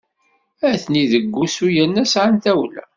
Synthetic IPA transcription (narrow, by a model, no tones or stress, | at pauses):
æθniðəɡʷːusujænːæsʕanθæwlæ̰